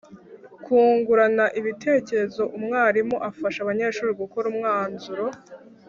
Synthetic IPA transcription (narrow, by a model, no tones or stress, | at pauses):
kʰuːŋɡuɾanaʔiβitʰe̞ːce̞ɾe̞zo̞ʔumŋaːɾimoʔafaʃaβaɲe̞ːʃuːɾiɡuko̞ɾumŋaːnzuɾo̞